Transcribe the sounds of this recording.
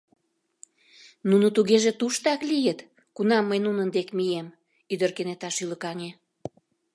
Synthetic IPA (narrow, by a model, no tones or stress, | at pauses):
nunut̪uɣeʒet̪uʃt̪ɑklijət̪ | kunɑmːəjnunənd̪ekmijem | yd̪ərkenet̪ɑʃyləkɑŋe